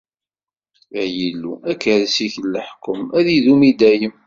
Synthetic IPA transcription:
əʕjilːṵækːəðsiçəlːəħkːəmæðiðumid̪æjəm

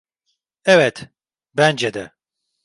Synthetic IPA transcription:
ɛvɛt̪ | bɛnd͡ʒɛd̪ɛ

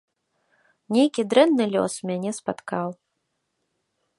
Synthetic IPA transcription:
nʲejkʲid̪ɾɛnːɨlʲɔ̰smʲanʲɛspa̰t̪kaw

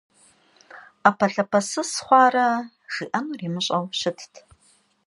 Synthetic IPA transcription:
apʰɐɬɐpʰɐsɨsχʷɑːɾɐ | ʒ̥iːʔɐnuriːmɨɕʷʼɐwʃɪtʰtʰʼ

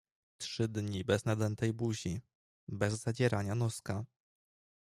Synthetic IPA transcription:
tʂɘd̪ɲibɛznad̪ɛnt̪ɛjbuʑi | bɛzːad͡ʑɛɾaɲanɔska

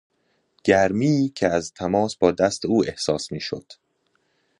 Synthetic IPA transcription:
ɟ̥æɾmiːcʰeæzt̪ʰæmɒːsbɒːd̪æst̪ʰeuːe̞hsɒːsmiːʃo̰d̪̥

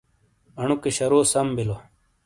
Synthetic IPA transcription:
ɐɳukeɕɐɾoːsɐmbilo

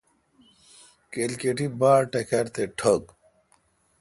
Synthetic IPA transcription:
kelkeʈibaːɾʈekʰɐɾt̪eʈʰɐɡ

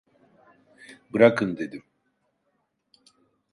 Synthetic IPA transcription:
bɯɾakʰɯnd̪e̞d̪im

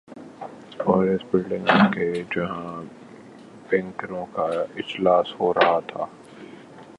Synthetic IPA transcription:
ɔːɾɪsbɪlɖɪ̃ŋɡked͡ʒɐɦã | bɛ̃ŋkəɾõkaɪd͡ʒlaːshoɾɐɦat̪ʰa̰ː

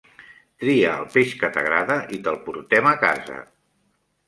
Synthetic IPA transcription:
t̪ɾiəːlˠpeʃkət̪əɣɾaðəʔit̪əlˠpuɾt̪ɛməkazə̰

